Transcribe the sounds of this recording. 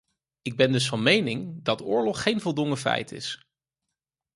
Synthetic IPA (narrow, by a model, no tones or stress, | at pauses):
ɪɡ̚bɛndɵs̬fɑnmejnɪŋdɑtʊːɹlɔχːejnvɔlˠdʊŋəfɛ̰jtɪ̰s